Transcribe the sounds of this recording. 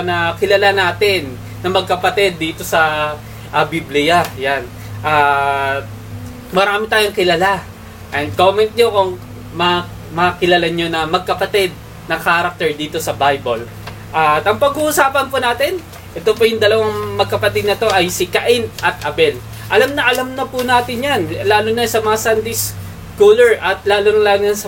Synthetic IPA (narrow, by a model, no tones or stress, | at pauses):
nɐkɪlɐlanaːt̪ɪnː | ɐmɐɡ̚kɐpɐt̪ɛd̪̚ːiːt̪o̞sɐ | ʔɐbiblɪjajan | ʔɐː | mɐɾaːmɪt̪aːjoŋkɪlɐla | ʔɛnd̪̚ko̞ːmɛnt̪̚ɲokoŋ | mɐa | mɐakɪlalaɲo̞nɐmɐɡ̚kɐpɐt̪ɛd̪̚ | nɐkaːɾɐk̚t̪ɛɹd̪iːt̪o̞sɐbajbol | ʔɐt̪ʔɐŋpɐɡuhusaːpɐnpʊnaːt̪ɪn | ʔɛt̪opojʊŋd̪ɐlɐwaŋmɐɡ̚kɐpɐt̪ɪd̪̚nɐt̪o̞ʔɐjsɪkɐʔɪnʔɐt̪̚ʔɐbɛl | ʔɐlamnɐʔɐlamnɐpʊnaːt̪ɪnjanlaːlonɐnsɐmɐŋasand̪ejs | kuːlɛɹʔɐt̪̚laːlonɐlaːljansɐ